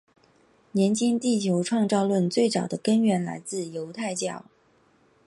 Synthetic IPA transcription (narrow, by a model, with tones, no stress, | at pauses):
njɛ˧˥nt͡ɕʰi˥ŋt̪i˥˩t͡ɕʰjo˧˥ʊʈ͡ʂʰwɑ˥˧ŋt͡sɑ˥˧ʊlwə˥˧nt͡swe˥˩ɪt͡sɑ˨˩ʊd̪ə˦kə˥nɥɛ˧˥nla̰˧˥ɪt͡sɹ̩˥˩jo˧˥ʊt̪ʰa˥˧ɪt͡ɕjɑ˥˩ʊ